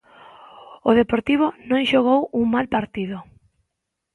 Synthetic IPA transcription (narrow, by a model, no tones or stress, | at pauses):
oð̞epoɾt̪iβ̞ʊnõŋʃoɣ̞owuŋmalpaɾt̪iðʊ